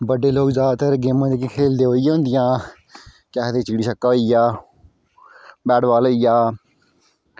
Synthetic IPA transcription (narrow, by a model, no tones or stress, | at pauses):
bəɖeːloːkzaːd̪t̪əɾɡeːmãːd̪eːkɪkʰeːld̪eːɦoːijãːõːnd̪ɪjãː | kɛːt̪eːt͡ʃiːɽiːsəkːaːoːijaː | bɛːɖʋaːloːijaː